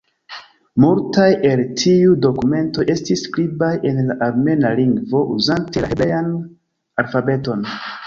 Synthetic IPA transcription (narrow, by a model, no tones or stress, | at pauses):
multajʔe̞ltʰiudo̞kume̞nto̞ʔe̞stisːkɾibajʔe̞nlaʔaɾme̞naliŋɡvo̞ʔuzantelaebejan | alfabe̞to̞n